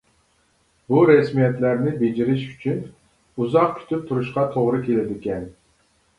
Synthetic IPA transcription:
buɾɛsmijɛt̪læɾnɪbed͡ʒiɾɪʃyt͡ʃʰyn | uzɑq̚kʲʰy̥t̪ʰyp̚t̪ʰuɾuʃqɑt̪ʰoʁɾɨkʲʰelɪd̪ɪkʲɛn

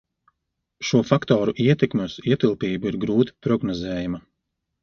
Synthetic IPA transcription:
ʃuɔfakt̪ɔːɾuʔiɛt̪ɛkmusiɛt̪ilˠpiːbuiɾɡɾuːt̪i̥pɾɔɡnɔzɛːjamɐ

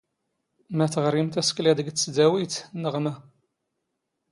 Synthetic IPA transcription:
mæθəʁɾimt̪æsklæd̪əɡət͡sːəd̪æwit̪nəʁmæ

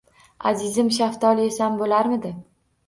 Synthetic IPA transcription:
a̰zɪzɪmʃ̬aft̪ʰɒliesanbolaɾmɪd̪ɪ

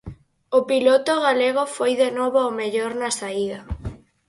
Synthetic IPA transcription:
ʊpilot̪oɣaleɣofojðenoβoomeʎoɾnɐsaiðɐ

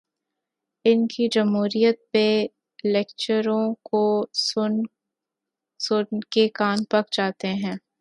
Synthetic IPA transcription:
ɪnkid͡ʒɐmɦuːɾijət̪̚pe | lɛkt͡ʃəɾõko | sʊnkekaːnpɐkd͡ʒaːt̪eɦɛ̃ː

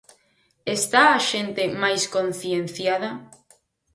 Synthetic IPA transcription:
est̪aːʃent̪emajskõn̟θjen̟θjaðɐ

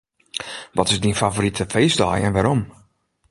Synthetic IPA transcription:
ʋɔtɪzdinfavorɾitʰəfeːsdɔ̰jɛ̰nʋaɾom

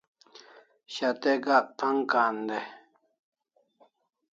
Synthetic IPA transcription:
ɕat̪eɡaʔ̚t̪ʰaŋkaːnd̪e

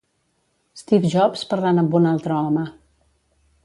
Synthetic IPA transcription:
st̪ifʒɔpspəɾlanəmbunalˠt̪ɾəɔmə

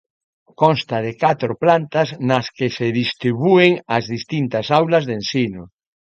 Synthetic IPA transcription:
konst̪aðekat̪ɾoplant̪aznaskeseðist̪ɾiβueŋazðist̪int̪asawlazðensino

